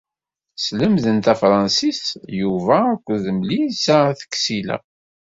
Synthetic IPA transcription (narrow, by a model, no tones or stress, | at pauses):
sləmðənt̪æfɾˤɑnsisjuvæːkʷːðəmlisaθə̥kːsilæ̰